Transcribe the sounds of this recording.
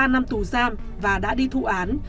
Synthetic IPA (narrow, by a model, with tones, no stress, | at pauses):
aː˧na˧mt̪u˨˩zaː˧m | vaː˨˩ɗa̰ː˧˥ɗi˧t̪ʰṵ˧˨ʔaː˨˦n